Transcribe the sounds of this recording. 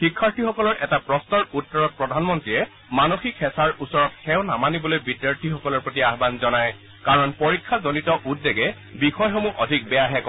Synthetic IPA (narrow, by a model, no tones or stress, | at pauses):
xikʰːaɹtʰixɔkɔlɔɹʔɛtapɹɔstɔɹutːɔɹɔt̚pɹɔdʱanmɔntɹijɛ | manoxikhɛsaɹusɔɹɔtxɛʊnamanibɔlojbidjaɹtʰixɔkɔlɔɹpɹotiaɦbanzɔnaj | kaɹɔnpoɹikʰːazonitɔʔudːeɡɛ | bixɔjxomuʔɔdʱik̚bɛjaɦɛkɔ